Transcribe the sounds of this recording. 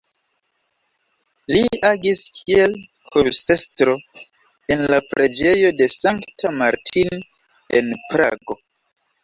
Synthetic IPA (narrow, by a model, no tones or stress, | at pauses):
liaɡiskʰie̞lkʰuɾse̞stɾo̞ | e̞nlapɾʔe̞d͡ʒe̞jo̞de̞saŋktʰamaɾtʰin | ḛnpɾa̰ɡo̞